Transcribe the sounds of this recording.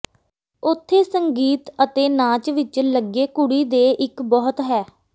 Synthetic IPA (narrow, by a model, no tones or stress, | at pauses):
ʊt̪ʰːeːsəŋɡiːt̪ət̪eːnãːt͡ʃʋɪt͡ʃləɡeːkʊɽiːd̪eːʔɪkbɔːt̪ɦɛː